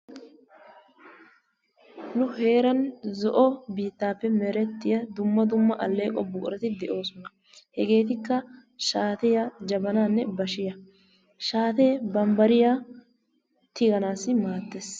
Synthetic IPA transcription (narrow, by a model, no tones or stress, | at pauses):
nʊhe̞ːɾɐnzɔʔɔbiːt̪ːaːpːɛmɛɾɛt̪ːɪjɐd̪ʊmːɐd̪ʊmːɐʔɐlːeːkʼɔbʊːɾɛt̪ɪd̪ɛʔo̞ːsɔnɐ | hɛɡe̞ːt̪ɪkːɐ | ʃaːt̪ɛjad͡ʒɐbɐnaːnːɛbɐʃɪjɐ | ʃaːt̪ebɐmbɐɾɪja | t̪ɪɡɐnaːsɪmaːt̪ːeːs